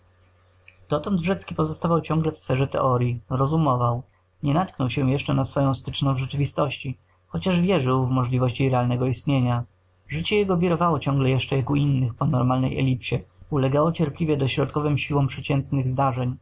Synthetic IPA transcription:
d̪̥ɔt̪ɔnd̪ʐɛt̪skʲipɔzɔst̪avawt͡ɕɔ̃ŋɡlɛfsfɛʐɛt̪ɛ̰ʔɔɾʲjiɾɔzumɔvaw | ɲɛnat̪knɔwɕɛw̃jɛʂt͡ʂɛnasfɔjɔ̃w̃st̪ɘt͡ʂnɔ̃w̃vʐɛt͡ʂɘvʲist̪ɔɕt͡ɕi | xɔt͡ɕaʐvʲjɛʐɘwvmɔʐlʲivɔɕt͡ɕiɾɛalnɛɡɔist̪ɲeɲa | ʐɘt͡ɕɛjɛɡɔvʲiɾɔvawɔt͡ɕɔ̃ŋɡlɛjɛʂt͡ʂɛjakuinːɘxpɔnɔɾmalnɛ̰jɛ̰lʲipɕɛulɛɡawɔt͡ɕɛɾplʲivʲjɛd̪ɔɕɾɔt̪̚kɔvɘmɕiwɔ̃mpʂɛt͡ɕɛnt̪nɘɣzd̪aʐɛɲ

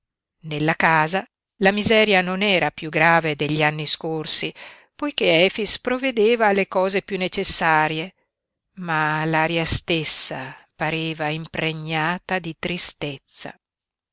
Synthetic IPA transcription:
nelːakaːza | lamizɛːɾjanonɛːɾapjuɡɾaːved̪eʎːianːiskorsi | pojkeɛːfispɾovːed̪eːvaːlːekɔːzepjunːet͡ʃesːaːɾje | malaɾjast̪esːa̰paɾeːvaimpɾeɲːaːt̪ad̪it̪ɾist̪et̪sːa̰

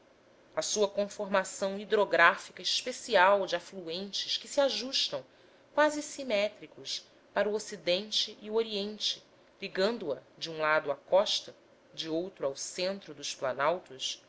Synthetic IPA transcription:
ɐsuɐkõfoɾmasɐ̃w̃id̪ɾoɡɾafikɐiʃpesiawd͡ʒɪafluẽnt͡ʃɪʃkɪsiaʒuʃt̪ɐ̃w̃ | kwazɪsimɛt̪ɾikʊʃ | paɾuosid̪ẽnt͡ʃɪʔːuoɾiẽnt͡ʃɪ | liɡɐ̃nd̪ʊɐd͡ʒɪũlad̪ʊakɔʃt̪ɐ | d͡ʒɪowt̪ɾuawsẽnt̪ɾʊd̪ʊʃplanawt̪us

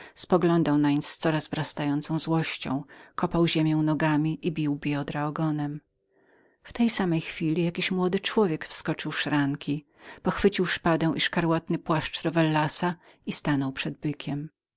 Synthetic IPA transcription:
spɔɡlɔnd̪awnaɲst̪sɔɾazvɾast̪ajɔnt̪sɔ̃w̃zwɔɕt͡ɕɔ̰̃w̃kʰɔpawʑemʲjɛ̃w̃nɔɡamʲiʔibʲiwbʲjɔd̪ɾaɔɡɔnɛm | ft̪ɛjsamɛjxfʲilʲijakʲiɕmwɔd̪ɘt͡ʂwɔvʲjɛkfskɔt͡ʂɘwʂɾaŋkʲʰi | pɔxfɘt͡ɕiwʂpad̪ɛ̃w̃ʔiʂkaɾwat̪nɘpwaʂt͡ʂɾɔvɛlːasa | ist̪anɔwpʂɛd̪̚bɘkʲʰɛm

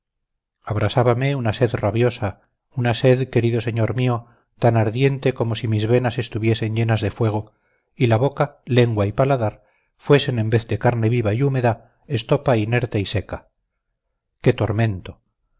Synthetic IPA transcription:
aβ̞ɾasaβameunase̞ðraβjo̞sa | unase̞ðke̞ɾiðo̞seɲo̞ɾmio̞ | t̪anaɾðje̞nt̪e̞ko̞mosimizβe̞nase̞st̪uβje̞se̞ɲʎe̞nazðe̞fwe̞ɣ̞o̞ | ilaβo̞kale̞ŋɡwaipalaðaɾ | fwe̞se̞ne̞mbe̞θd̪e̞kaɾne̞βiβaiume̞ða | e̞st̪o̞paine̞ɾt̪eise̞ka | ke̞t̪o̞ɾmẽ̞nt̪o̞̥

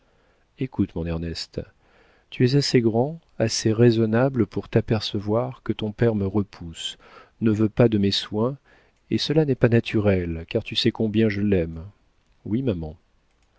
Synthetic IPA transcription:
ekut̪mɔ̃nɛʁnɛst̪ | t̪yɛzaseɡʁɑ̃ | aseʁezɔnabləpuʁt̪apɛʁsəvwaʁkət̪ɔ̃pɛʁməʁəpʰus | nəvøpad̪əmɛswɛ̃ | esəlanɛpanat̪ʰyʁɛlkaʁt̪ysɛkɔ̃bjɛ̃ʒəlɛm | wimamɑ̃

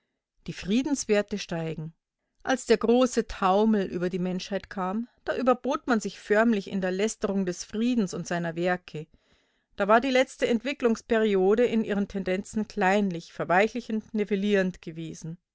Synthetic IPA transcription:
d̥iːfʁ̥iːdn̩sv̥eːɐtəʃtaɪɡŋ̩ | ʔalsd̥eːɐɡʁoːsətʰaʊml̩ʔy̰ːbɐdiːmɛnʃhaɪtkʰaːmd̥aːʔyːbɐboːtmanzɪçfœɐmlɪçɪ̰ndeːɐlɛstəʁʊŋdɛsfʁ̥iːdn̩sʊntz̥aɪnɐvɛɐkʰə | d̥aːvaːɐdiːlɛt͡stəɛntv̥ɪklʊŋspɛʁioːdəɪnʔiːʁəntʰɛndɛnt͡sn̩kʰl̥aɪnlɪçfɛɐvaɪçlɪçn̩tneveliːʁəntɡ̥əveːzn̩

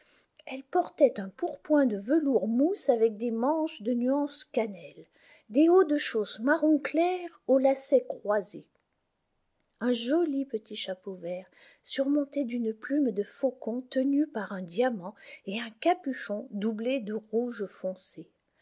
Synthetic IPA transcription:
ɛlpɔʁt̪ɛt̪ɛ̃puʁpwɛ̃d̪əvəluʁmusavɛk̚d̪emɑ̃ʃd̪ənyɑ̃skanɛl | d̪eod̪əʃosmaʁɔ̃klɛʁolasɛkχwaze | ɛ̃ʒɔlipət̪iʃapovɛʁ | syʁmɔ̃t̪ɛd̪ynplymd̪əfokɔ̃t̪ənypaʁɛ̃d̪jamɑ̃eɛ̃kapyʃɔ̃d̪ubled̪əʁuʒfɔ̃se

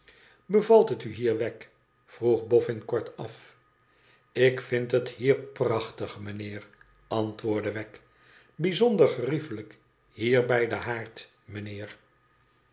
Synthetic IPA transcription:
bəvɑlˠtɦətyɦiːɹʋɛk | fruχbɔfɪnkɔɹtɑf | ɪkfɪntɦəthiːɹprɑχtəχmənɪːʁ | ɑntʋʊːɹdəʋɛk | bizɔndəɹχərifələk | hiːɹbɛjdəɦaːɹt | mənɪːɹ

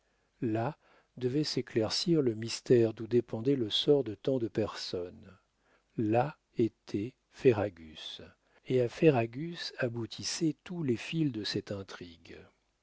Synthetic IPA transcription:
la | d̪əvɛseklɛʁsiʁləmist̪ɛʁd̪ud̪epɑ̃d̪ɛləsɔʁd̪ət̪ɑ̃d̪əpɛʁsɔn | la | et̪ʰɛ | feʁaɡʲys | eafeʁaɡʲysabut̪ʰisɛt̪ulefild̪əsɛt̪ɛ̃t̪χiɡ

